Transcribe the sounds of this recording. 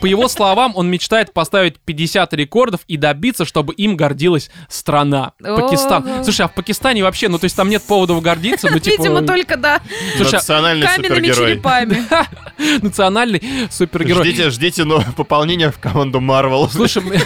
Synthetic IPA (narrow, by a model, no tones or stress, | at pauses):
pəjɪvo̞slˠɐvamo̞nmʲɪt͡ɕt̪aɪt̪̚pɐst̪avʲɪt̚ʲpʲɪdʲɪsʲat̪ɾʲɪko̞rd̪əfid̪ɐbʲit̪sːəʂt̪o̞bɨʔimɡɐrdʲilˠəsʲst̪ɾɐnapəkʲɪst̪anˠuʂ̬əjafpəkʲɪst̪anʲɪvɐpɕːe̞nut̪o̞ɪsʲt̪ʲamnʲet̪̚po̞vəd̪əfɡɐrdʲit̪sːənotʲiipəɪnmət̪olʲkəd̪aslˠujsɨɐnalʲnɨjsʲɪrʲɡʲɪɾojpamʲɪ | nət̪sɨɐnalʲnɨjsupʲɪrɡʲɪɾojʲitʲɪʐdʲitʲɪnopəpɐlˠnʲenʲɪjəfkɐmand̪ʊmarvʲəlˠslˠuʂəjm